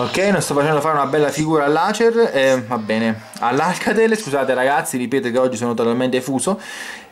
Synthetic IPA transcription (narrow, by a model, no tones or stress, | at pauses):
okːɛjnõnst̪ɔfːat͡ʃɛnd̪ofaːɾeunabɛlːafiɡuːɾaːlːaːt͡ʃerɛvabːɛːne | a̰lːalkʰat̪eleskuzaːt̪eɾaɡat̪sːiɾipeːt̪okeɔd͡ʒːisoːnot̪ot̪alment̪efuːso